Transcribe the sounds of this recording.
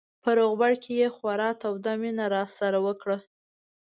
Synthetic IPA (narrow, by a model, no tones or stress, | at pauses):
pəɾoɣbaɽkʰejexwaɾɑt̪awd̪amenaɾɑsaɾawəkɽə